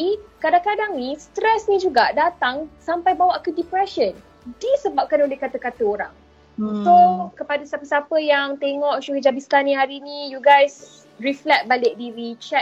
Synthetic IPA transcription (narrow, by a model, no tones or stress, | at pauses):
ikadaŋkadaŋnist̪ɾɛsnĩd͡ʒuɡaʔdat̪aŋsampajbawaʔkədipɾɛʃən | disəbap̚kanolehkat̪əkat̪əoɾaŋ | sokəpadasapəsapəjaŋt̪eŋɔʔʃuɦəd͡ʒabist̪anĩɦaɾinĩjuɡajs | riflɛk̚balɪk̚diɾit͡ʃɛ